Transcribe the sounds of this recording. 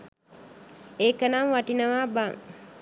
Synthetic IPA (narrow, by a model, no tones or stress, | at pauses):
eːkɐnaŋʋɐʈinɐʋaːbaŋ